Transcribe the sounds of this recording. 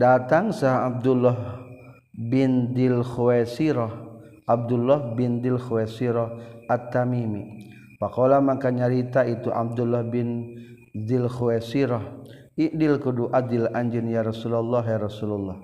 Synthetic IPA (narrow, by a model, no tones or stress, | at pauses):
dat̪aŋsaɦab̚dulːɔɦ | bɪnd̪ɪlxuwɛsiɾɔh | ʔab̚dulːɔhbɪndɪlxuwɛsiɾɔhat̪ːamimi | pakolamakaɲaɾit̪ait̪uʔa̰b̚d̪ulːɔhbɪn | d̪ɪlxuɛsiɾɔh | iʔdɪlkuduʔad̪ɪlaɲd͡ʒɪnjaɾɔsulalːɔɦjaɾɔsulɔlːɔh